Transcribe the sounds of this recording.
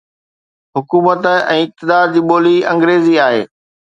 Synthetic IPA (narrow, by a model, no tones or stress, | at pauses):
ɦʊkuːmət̪ə̆ɛ̰̃ːɪk̚t̪ɪd̪aːɾd͡ʑiːɓoːliɐ̃ŋɡɾeːziaːɦḛː